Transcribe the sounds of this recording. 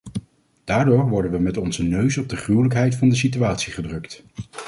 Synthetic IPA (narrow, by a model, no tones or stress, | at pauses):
d̥aːɹdʊːɹʋɔɹdənʋəmɛtɔnzənøɥsɔb̚dəχrywləkɦɛjtfɑndəs̬ityaːtsiχədrɵkt